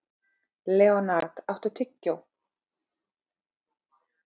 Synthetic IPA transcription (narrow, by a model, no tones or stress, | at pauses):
lɛːɔnaɾt̪aht̪ʏt̪ʰʏcːaw